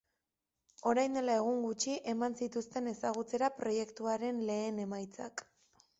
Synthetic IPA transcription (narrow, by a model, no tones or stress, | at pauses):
o̞ɾajnd̪e̞lae̞ɣ̞uŋɡut͡ʃiʔe̞mansit̪ust̪e̞ne̞saɣ̞ut͡se̞ɾapɾo̞je̞kt̪uaɾe̞nle̞ːne̞majt͡sa̰k